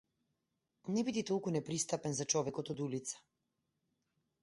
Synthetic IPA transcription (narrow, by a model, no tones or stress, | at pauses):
nɛbid̪it̪ɔlˠkunɛpɾist̪apɛnzat͡ʃɔvɛkɔt̪ɔd̪ulit̪sḁ